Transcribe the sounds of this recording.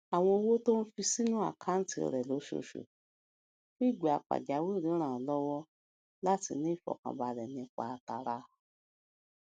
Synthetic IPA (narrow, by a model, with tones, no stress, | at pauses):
a˨w̃ɔ̃˧o˧wo˦to˦n̩˦fi˧si˦nũ˦a̰˦˨kʰa˦n̩˦tḭ˧˨ɾɛ˨lo˨˦ʃo̰˧ʃo̰˨ | ki˦˨ɡ͡be˨a˨k͡pa̰˨d͡ʒa˨˦wi˦˨ɾĩ˨˦ɾ̃ãː˦˨˦lɔ˦wɔ˦ | la˦ti˧nĩ˨˦˨fɔ̰˨kã̰˨ba˨ɾɛ˨nĩ˧k͡pa˨˧ta˨ɾa˨˧˦